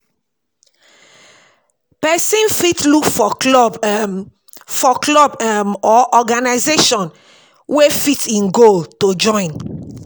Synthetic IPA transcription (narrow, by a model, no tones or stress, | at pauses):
pɛsĩnfitlukfɔɔb | fɔklɔbmɔʔɔɡanaɪzeʃɔ̃n | wefitĩnɡoltod͡ʒɔ̃ɪ̃n